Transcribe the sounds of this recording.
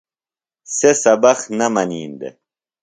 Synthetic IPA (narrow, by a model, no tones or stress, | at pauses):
sesɐbɐxnɐmɐniːnd̪ḛ